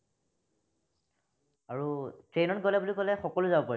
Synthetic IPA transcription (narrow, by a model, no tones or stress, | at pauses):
aɹutɹejnɔtɡɔlɛbulikɔlɛxɔkɔlʊzabɔpaɹi